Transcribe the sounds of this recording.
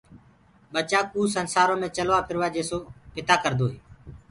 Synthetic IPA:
ɓət͡ʃaːkuːsənsaːɾõːmẽːt͡ʃəlʋaːpʰɪɾʋaːd͡ʒeːsoːpɪt̪aːkəɾd̪oːɦeː

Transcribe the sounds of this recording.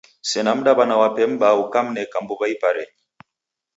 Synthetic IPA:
sɛnam̩ɗaβanawapɛm̩baukam̩nɛkambuβaipaɾɛɲi

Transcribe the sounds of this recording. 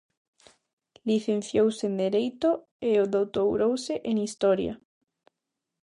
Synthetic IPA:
liθen̟θjowsend̪eɾejt̪o | eoðowt̪owɾowseʔeŋist̪ɔɾja̰

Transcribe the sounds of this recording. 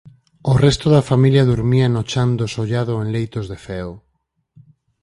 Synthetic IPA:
orɛst̪oðafamiljɐðuɾmiɐnot͡ʃand̪osoʎaðʊenlejt̪ozðefɛo

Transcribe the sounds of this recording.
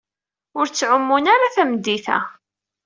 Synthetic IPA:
ʊɾt͡sːʕəmːunaɾaθæmd̪ːiθæ̰

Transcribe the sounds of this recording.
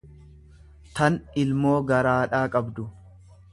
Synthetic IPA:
t̪ɐnɪlmoːɡɐɾaːᶑaːkʼɐbd̪ʊ

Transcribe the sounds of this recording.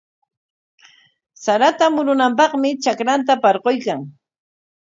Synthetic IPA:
saɾat̪amʊɾʊnampɑχmɪt͡ʃakɾant̪apɑɾqojkaŋ

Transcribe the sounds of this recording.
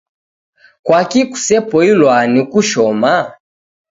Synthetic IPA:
kwakiku̥sɛpɔilwanikuʃɔma

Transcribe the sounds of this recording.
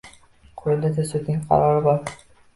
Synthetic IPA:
qʰʊɾɪld̪at̪ʰasʊd̪nɪŋqʰɑ̰ɾɒɾɪbɒɾ

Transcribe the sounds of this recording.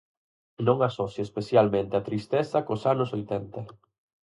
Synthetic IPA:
nõŋasɔθjespeθjalmẽnt̪eat̪ɾist̪ɛθɐkosanʊsojt̪ɛnt̪ɐ

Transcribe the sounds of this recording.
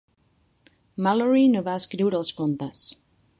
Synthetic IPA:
maloɾinoβaəskɾiwɾəlˠskont̪əs

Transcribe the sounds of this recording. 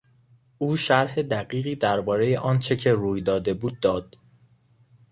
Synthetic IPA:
ʔuːʃæɾhe̞d̪æɢiːɣiːd̪æɾbɒːɾe̞jeʔɒːnt͡ʃʰe̞cʰe̞ɾuːjd̪ɒːd̪e̞buːd̪̚ːɒːd̪̥

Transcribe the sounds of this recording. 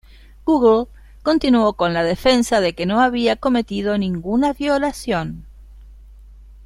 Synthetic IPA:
ɡ̥uɣl | ko̞nt̪inuo̞ko̞nlaðefe̞nsaðekeno̞aβiako̞me̞t̪ið̞o̞nĩŋɡunaβjo̞lasjo̞n

